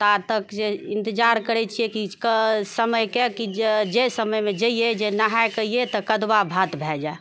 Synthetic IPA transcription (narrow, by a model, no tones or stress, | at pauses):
t̪at̪əkd͡ʒeɪ̃nt̪ɪd͡ʒaɾkəɾɛt͡ʃʰiekikəsəməjkekid͡ʒesəməjmed͡ʒəijed͡ʒenaɦakəiet̪ɔkəd̪wabʱat̪bʱɛd͡ʒae